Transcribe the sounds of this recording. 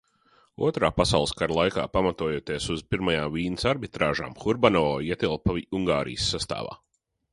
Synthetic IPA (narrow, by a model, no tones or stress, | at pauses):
ṵɔt̪ɾaːpasa̰wlˠskaɾlˠajka̰ːpamat̪uɔjuːt̪iɛsuz̥piɾmajaːmviːnəsaɾbit̪ɾaːʒa̰ːmxuɾbanɔɔːiɛt̪ilˠpaiuŋɡaːɾḭjsːast̪a̰ːva̰ː